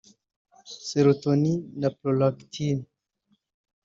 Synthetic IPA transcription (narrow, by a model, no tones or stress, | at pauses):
seɾot̪oninaplolakt̪ʰin